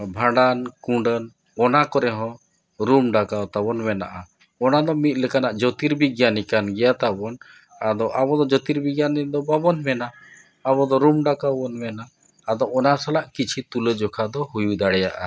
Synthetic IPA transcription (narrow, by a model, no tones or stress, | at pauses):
bʱãɖankũɖən | ɔnakɔɾɛɦɔ̃ | ɾumɖakat̪aβɔnmɛna̰ʔa | ɔnad̪ɔmit̪̚ˀlɛkanaʔd͡ʒɔt̪iɾbiɡjanikanɡɛjat̪abɔn | ad̪ɔʔabɔd̪ɔd͡ʒɔt̪iɾbiɡjanɛd̪ɔbabɔnmɛnaː | bɔd̪ɔɾumɖakabɔnmɛnaː | d̪ɔɔnasalaʔkit͡ʃʰit̪uləd͡ʒɔkʰad̪ɔhujuid̪aɽɛja̰ʔa̰